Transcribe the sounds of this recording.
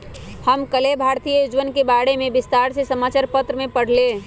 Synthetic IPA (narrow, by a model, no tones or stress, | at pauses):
həmkəlebʱaɾt̪ijəjud͡ʒʋənkebaɽemebɪst̪aɾsesəmaːt͡ʃaɾpət̪ɾəmepəɽ̤le